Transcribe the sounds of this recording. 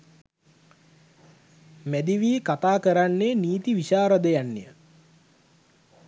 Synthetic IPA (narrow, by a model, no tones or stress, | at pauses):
mæd̪iʋiːkat̪aːkəɾanːeniːt̪iʋiɕaːɾəd̪əjanːḛjə